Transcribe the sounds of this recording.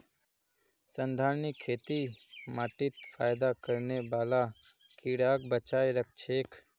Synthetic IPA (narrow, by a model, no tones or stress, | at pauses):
sənd̪ʱaːɾnɪkʰːeːt̪imaːʈɪt̪fʰaːjd̪akəɾneʋaːla | kiːɽaːk̚bət͡ʃaːjɾək̚t͡ʃʰeːk